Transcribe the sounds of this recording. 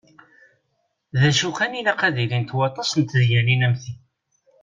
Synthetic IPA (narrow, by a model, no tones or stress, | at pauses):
ðæʃuqænilæqæðilint̪wɑt̪ˤːɑsənt̪ðjæninæmθi